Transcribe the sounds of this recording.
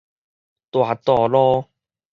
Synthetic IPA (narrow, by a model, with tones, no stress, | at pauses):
t̪waː˨˩t̪ɔː˧˩lɔ˦